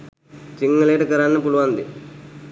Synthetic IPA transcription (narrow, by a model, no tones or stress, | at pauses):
t͡ʃiŋɡɐleːʈɐkɐɾaːnːɐpuluʋaːnd̪ḭ